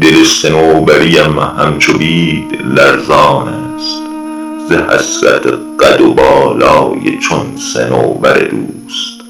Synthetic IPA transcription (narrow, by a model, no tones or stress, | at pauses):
d̪elesenoːbæɾijæmhæmt͡ʃʰobiːd̪læɾzɑːnæːst̪ | zehæ̰sɾæ̰t̪ʰeɢ̥æd̪obɒːlɒːjḛt͡ʃʰonsḛno̰ːbæɾḛd̪uːst̪